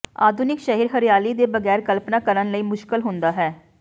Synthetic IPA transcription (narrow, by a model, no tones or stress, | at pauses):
a̰ːd̪ʱʊnɪkʃəɦiːɾɦəɾijaːliːd̪eːbəɡɛːɾkəlpnaːkəɾənləiːmʊʃkəlɦʊnd̪aːɦɛː